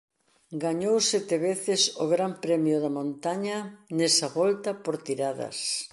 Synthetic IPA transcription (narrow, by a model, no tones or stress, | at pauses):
ɡaɲowsɛt̪eβeθɪsʊɣɾampɾɛmjʊðɐmõnt̪aɲɐnɛsɐβɔlt̪ɐpoɾt̪iɾaðɐ̰s